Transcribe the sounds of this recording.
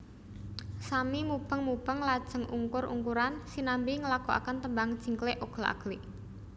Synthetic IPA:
samimub̥əŋmub̥əŋlad̥ʒ̥əŋṵŋkʊrʔṵŋkuɾansinambiŋəlakoʔa̰kənt̪əmbaŋ̥ʒ̥i̤ŋkleʔoɡ̥əla̰ɡ̥liʔ

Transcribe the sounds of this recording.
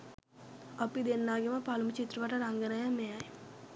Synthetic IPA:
apid̪enːaːɡeməpalumut͡ʃit̪ɾuʋaʈəɾaŋɡənajamejaj

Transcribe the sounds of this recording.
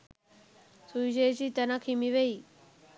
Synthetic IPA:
suiɕ̬ejt͡ɕit̪ənakʰimiʋei

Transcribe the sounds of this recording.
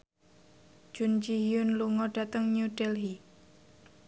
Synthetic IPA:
d͡ʒ̥und͡ʒiɦiʊnluŋɔɖ̥ä̤t̪əŋnuɖɛlɦi

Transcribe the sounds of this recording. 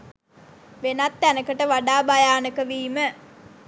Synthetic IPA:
ʋenat̪ːænəkəʈəʋaɖaːbajaːnəkəʋiːmə

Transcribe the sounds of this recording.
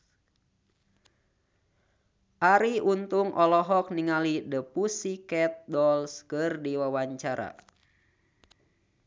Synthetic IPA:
ʔaɾiʔunt̪uŋʔɔlɔɦɔk̚niŋalidəpusikɛt̪̚dɔlskɨrdiwawaɲt͡ʃaɾa̰

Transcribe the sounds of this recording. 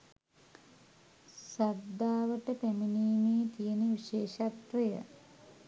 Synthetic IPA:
sad̪aːʋəʈəpæminiːmeːt̪ijeniʋiʃeːʃat̪ɾijə̰

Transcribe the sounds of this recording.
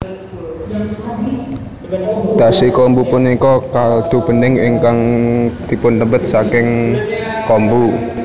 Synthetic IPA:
d̪̥a̤sikɔmbupunikɔkald̪̥o̤b̥ə̤nɪŋiŋkaŋd̪̥i̤pʊnt̪əmbət̪̚sakɪŋ | kɔmbu

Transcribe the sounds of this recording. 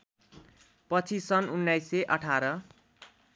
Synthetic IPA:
pʌt͡sʰisʌnunːajseʔʌʈʰaɾʌ

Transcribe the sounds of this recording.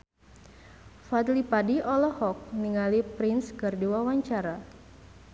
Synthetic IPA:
fad̪lipadiɔlɔhɔk̚niŋalipɾɪnskɨrduwawaɲt͡ʃaɾa

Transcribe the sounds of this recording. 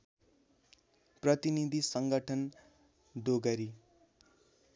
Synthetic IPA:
prʌt̪inid̪ʱisʌŋɡʌʈʰʌn | d̪oɡʌɾi

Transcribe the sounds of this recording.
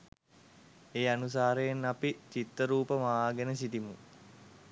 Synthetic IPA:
eːanus̬aːɾəjenːapit͡ʃit̪ːəɾuːpəmaaːɡenəs̬it̪imu

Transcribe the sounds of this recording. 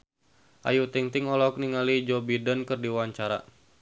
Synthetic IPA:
ʔa̰jut̪iŋt̪iŋɔlɔk̚niŋalid͡ʒɔbidənkɨrdiwaɲt͡ʃaɾa̰

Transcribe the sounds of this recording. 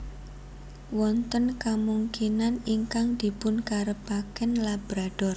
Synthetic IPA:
wɔnt̪ənkamuŋkinaniŋkaŋd̪̥i̤pʊnkaɾəbakɛnlabɾad̥ɔr

